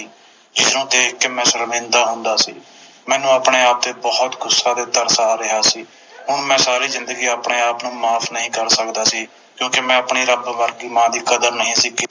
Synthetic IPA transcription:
iː | d͡ʒɪsɾõːt̪eːɪkːmɛ̃ːsəɾmɪ̃ːnd̪aːɦʊnd̪aːsḭː | mɛ̃ːnũːəpɳeːaːp̚d̪eːbɔːt̪ɡʊsːaːd̪eːt̪ːəɾsaːɾɪɦaːsiː | ɦʊɳmɛ̃ːsaːɾiːzɪ̃nd̪əɡiːaːpɳeːaːpnũːmaːpʰnəɦĩːkəɾsəkd̪aːsiː | kjõːkemɛ̃ːəpɳiːɾəbʋəɾɡiːmãːd̪iːkəd̪əɾnəɦĩːsiːk

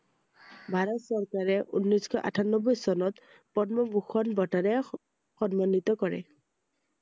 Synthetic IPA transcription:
bʱaɹɔt̪sɔɹkaɹɛʔunːɔjskʰɔʔa̰tʰanɔbɔjsɔnɔt̪ | pɔnmɔbuxɔnbɔtaɾɛ | xɔnmanːit̪ɔkɔɹɛ̰

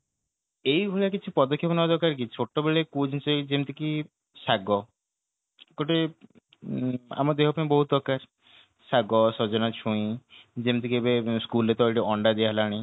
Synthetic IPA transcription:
ejbulakit͡ʃʰipɔd̪ɔkʰːjepɔnɔd̪ɔkaɾk̬it͡ʃʰoʈːɔbeɭekud͡ʒt͡ʃed͡ʒemt̪ʰiki | saɡɔ | koʈe | a̰mɔd̪eɦɔpaĩbɔɦut̪̚ɔkaɾ | saɡɔsɔd͡ʒɔnat͡ʃʰuĩd͡ʒemt̪ʰikibeskulet̪ɔʈiɔɳɖad̪iaɦelaɽ̃ĩ

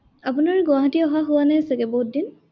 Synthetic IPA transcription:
apunaɹɡʊaɦatiɔɦaɦʊwanɛsɛkɛboɦut̚din

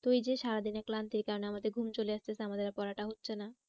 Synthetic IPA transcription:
t̪ojd͡ʑeʃaɾad̪inɛklant̪iɾkaɾoneamad̪eɾɡʱumt͡ɕoleaʃt̪esʰeamad̪eɾapɔɾaʈaɦotːɕʰena

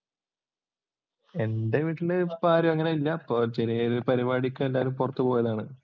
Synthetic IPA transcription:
e̞ndeʋiːʈːuɳɖebaːɾjɐɐŋːɐneilːɐːpːoːt͡ɕeɾijɐoɾpɐɾibaːɽikʲːumelːaːɐlumpurɐt̪ːupoːjɐðaːɳɨ

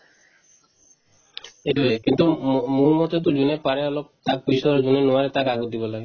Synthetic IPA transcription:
eʈuekint̪umulmɔt̪et̪ud͡ʑunepaɾeɔlob̚t̪ak̚biʃɔɾod͡ʑunenoaɾet̪akaɡod̪ibolaɡe

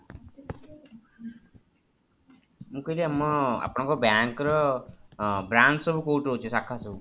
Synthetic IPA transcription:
mũkɔileamːɔa̰pɽ̃ɔ̃ŋkɔbjaŋkɾɔ | bɾansɔbukowʈoɦot͡ʃʰusakʰːasɔbu

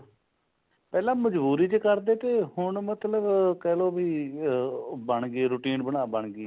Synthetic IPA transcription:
pɛːlãːməd͡ʒbuːɾiːt͡ʃkəɾd̪eːt̪eːhʊɳmət̪ləbkɛːloːbʱiː | bəɳɡeːɾuːʈiːnbənaːbəɳɡeː

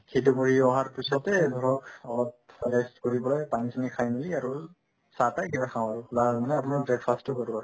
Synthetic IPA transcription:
xʰetukoɹiɔɦaɹpisɔtɛdʱɔɹɔkɔlɔplɛstkoɹibɔlɔjpansinikʰajmiliaɹu | satajkibakʰãw̃aɹʊlamanɛapʊnaɹbɹɛɡfʰastʊkaɹuaɹu

